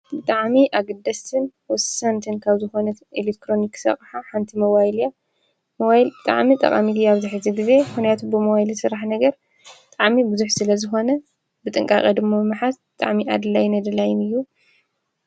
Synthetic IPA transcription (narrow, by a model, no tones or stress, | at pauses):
bɨt̪ʼaʕmiʔaɡɐd̪ːɐsʰɨnwɔsɐnt̪ʰɨnkʰaβzɨxo̞nɐt̪ilek̚t̪ɾo̞niksɐ̰χʼħaħant̪ʰimɐβajlja | moajlbɨt̪ʼa̰ʕmit̪ʼɐ̰qʼa̰mit̪iaβzɨħɨziɡɨze̞mɨxnijat̪ʰubɨmoβajlisɨɾaħnɐɡɐɾ | bɨt̪ʼaʕmibɨzuħsɨlɐzɨxo̞nɐ | bɨt̪ʼɨŋkʼakʼɐd̪ɨmːamɨmɨħasbɨt̪ʼa̰ʕmiʔad̪ɨlajnad̪ɨlajɪnɨjːu